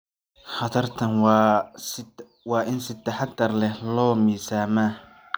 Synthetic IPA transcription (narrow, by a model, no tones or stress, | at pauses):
hɐd̪ɐrt̪ʰɐnw | wɑːʔɪnsɪt̪ːɐħɑd̪ɐrlɛhlɔːmiːsaːmaː